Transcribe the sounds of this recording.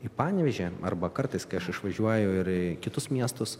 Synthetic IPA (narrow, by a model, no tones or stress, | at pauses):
ipɑːnʲʋʲɛʒʲɛɐ̰rbɐkɐrt̪ɐɪskɐɪɐʃɪʃʋɐʒʲuɔjɛʊɪɾkʲɪt̪ʊsmʲiɛst̪ʊs